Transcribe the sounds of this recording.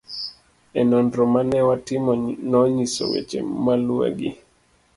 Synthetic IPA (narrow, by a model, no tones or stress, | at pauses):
ɛnɔndɾɔmanɛwatɪmɔnɔɲisɔ̰wḛt͡ʃḛmalwḛɡɪ̰